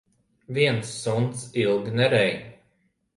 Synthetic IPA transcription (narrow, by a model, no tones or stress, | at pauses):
viɛnsːunt̪silˠɡnɛɾɛj